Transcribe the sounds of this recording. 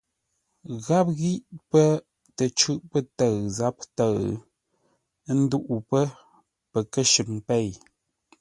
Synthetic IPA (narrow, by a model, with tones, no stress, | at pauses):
ɣa˦p̚ɣi˦ʔpə˦ | tə˨t͡ʃʉ˦ʔpə˦tə˦˨za˦p̚tə˨ɰ | n̩˦du˦ʔu˨pə˦ | pə˨kə˦ʃʉ˨ŋpɛ˦˨j